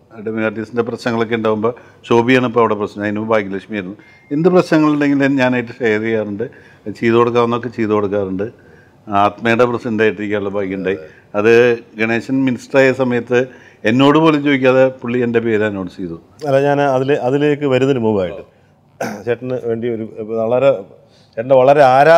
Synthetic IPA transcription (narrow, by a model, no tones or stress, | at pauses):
ɐɖɐmilaːrʈisindeprɐɕnɐŋːɐɭo̞kːe̞uɳɖaːʋumbo̞ː | t͡ɕo̞ːbijaːɳipːoɐʋiɽeprɐɕnɐðinubʱaːkʲːilɐkʂmijajɾunːu | end̪ɨprɐɕnɐŋːɐɭilːeŋɡilenɲaːnaːjiʈːɨʂɐjɐɾikjaːruɳɖɨ | t͡ɕiːðukoɽukːaːrenːo̞kːet͡ɕiːðukoɽukːaːruɳɖɨ | aːt̪mɐjɐɽeprɐɕnendaːjiʈːiɾikʲːaːuɭːɐbʱaːikʲːiuɳɖaːji | ɐðɨɡɐɳeːɕɐnminisʈraːjesɐmɐjɐt̪ːɨ | e̞nːo̞ːɽɨpo̞ːlet͡ɕːoːʋikʲːaːðepuɭːiende̞pe̞ːɾaːnːoːɽɨsiːðu | ɐlːaːɲaːnɐðileʔɐðilekːɨʋɐɾunːɐlumuːʋaːjiʈːɨ | t͡ɕeːʈːɐnɨʋe̞ːɳɖio̞ɾuɐɭɐɾe | t͡ɕeʈːɐɳɖeʋɐɭɐɾe̞aːɾa